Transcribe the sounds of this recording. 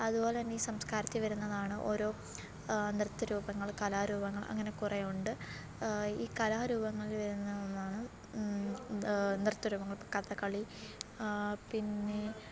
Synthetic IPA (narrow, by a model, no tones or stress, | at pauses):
ɐðubo̞ːleɐnːeiːsɐmskaːɾɐt̪ːɨʋɐɾunːɐðaːɳɨʔo̞̰ːɾo̞ː | nirt̪ːɐɾuːbɐŋːɐɭkɐlaːɾuːbɐŋːɐɭɐ̰ŋːɐne̞kurejuɳɖɨ | iːkɐlaːɾuːbɐŋːɐɭiʋɐɾunːɐðonːaːɳɨ | nirt̪ːɐɾuːbɐŋːɐɭpkɐt̪ːɐkːɐɭi | pinːe̞